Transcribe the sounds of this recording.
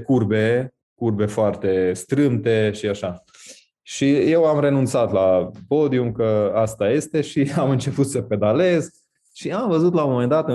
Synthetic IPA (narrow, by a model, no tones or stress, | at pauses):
kurbe | kurbe̞foart̪e̞st̪ɾɨmt̪e̞ʃiaʃa | ʃije̞wamɾe̞nunt̪sat̪lapo̞d̪iumkəast̪aje̞st̪e̞ʃiamɨnt͡ʃe̞put̪səpe̞d̪ale̞z | ʃiamvəzut̪laomome̞nd̪at̪ɨ